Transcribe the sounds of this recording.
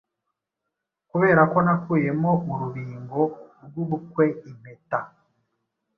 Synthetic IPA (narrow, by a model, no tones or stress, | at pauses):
kuβe̞ːɾako̞nakuje̞mo̞muɾuβiːŋɡo̞ɾɡwuβukwe̞im̥eta